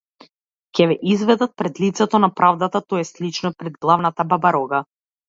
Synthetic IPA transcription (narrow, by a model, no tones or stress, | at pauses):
cʲɛvɛʔizvɛd̪at̪̚pɾɛd̪lit̪sɛt̪ɔnapɾʔavd̪at̪at̪ɔɛslit͡ʃnɔpɾɛd̪ɡlˠavnat̪ababaɾɔɡa